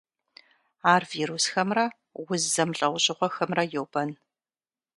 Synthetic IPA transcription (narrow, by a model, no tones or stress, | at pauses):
aːrviːɾusxɐmrɐ | wʊzːɐmɬʼɐwʷɕʼɪʁʷɔxɐmrɐjowb̥ɐn